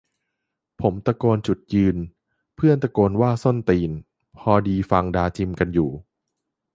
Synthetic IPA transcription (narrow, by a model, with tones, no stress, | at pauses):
pʰo˩˦mt̪a˧kɔː˧nt͡ɕu˨˩t̪̚jɯː˧n | pʰɯ˥˩ənt̪a˧koː˧nwaː˥˩so˥˩nt̪iː˧n | pʰɔː˧diː˧fa˧ŋdaː˧t͡ɕʰi˧mka˧njuː˨˩